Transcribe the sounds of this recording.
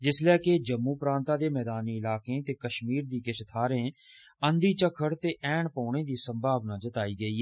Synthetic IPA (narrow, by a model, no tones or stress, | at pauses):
d͡ʒɪslɛːked͡ʒəmːũːpɾãːnt̪aːd̪eːmɛːd̪aːniːɪlaːkẽːt̪eːkəʃmiːɾd̪iːkɪʃət̪ʰaːɾẽː | ənd̪iːt͡ʃəkʰːəɽt̪eːʔɛːɳpɔ̃ːɳ̃eːd̪iːsəmbʱaːʋnãːd͡ʒət̪aːiːɡəiː